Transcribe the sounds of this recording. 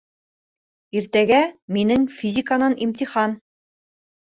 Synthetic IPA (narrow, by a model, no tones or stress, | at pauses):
iɾt̪æɡæminɘŋfʲizʲikanɑnimt̪ʲiχɑn